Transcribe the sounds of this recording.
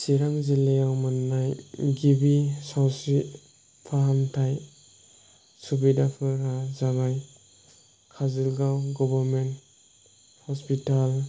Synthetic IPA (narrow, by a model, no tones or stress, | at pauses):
siɾaŋzilejawmanːajɡibisawsɾi | pʰaɦamtʰaj | subidapʰɯɾazaɡaj | kʰazilɡawɡɔbaɾment | hɔspital